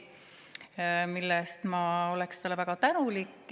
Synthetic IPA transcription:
milːɛst̪mɑo̞lekst̪ɑlːevæɡ̥ɑt̪ænulikː

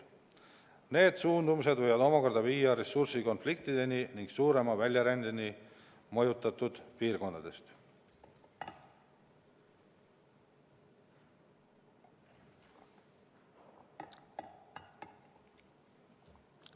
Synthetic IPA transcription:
ne̞ːd̪̥suːnd̪umuse̞d̪vɤ̞jvɑd̪o̞mɑko̞rd̪ɑviːjɑɾe̞sursiko̞nflikt̪id̪̥e̞niniŋɡ̥suːɾe̞mɑvælʲjɑɾænd̪eni | mojut̪ːˑɑt̪ːud̪̥piːrko̞nd̪ɑd̪̥e̞st̪

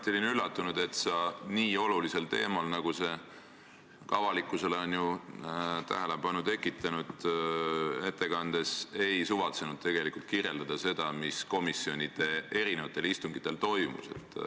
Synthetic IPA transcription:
t̪ːˑeolʲinylːɑt̪ːunud̪̥e̞t̪sɑniːo̞lulise̞lt̪e̞̰ːmɑlnɑɡ̥use̞ | kɑvɑlikːˑuse̞leonju | t̪æ̰ɦele̞b̥ɑnut̪e̞kːˑit̪ːˑɑnud̪̥ | e̞t̪ːe̞kɑnd̪̥e̞se̞jsuvɑt̪senud̪̥̚t̪e̞ɡ̥e̞likult̪kirje̞ld̪̥ɑd̪̥ɑse̞d̪̥ɑmisko̞misːjo̞nʲid̪̥e̞e̞ɾinevɑt̪ːˑe̞list̪uŋɡ̥it̪ːˑe̞lt̪o̞jmṵse̞̰t̪ː

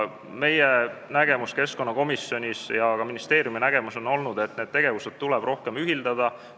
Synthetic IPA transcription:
me̞jenæɡe̞muske̞sko̞nːɑko̞misjo̞nʲisjɑkɑminist̪e̞ːɾjuminæɡ̥e̞muso̞no̞lnud̪e̞t̪ned̪̥̚t̪e̞ɡ̥e̞vused̪̥t̪ulɛb̥ro̞hke̞myɦild̪ɑd̪̥ɑ

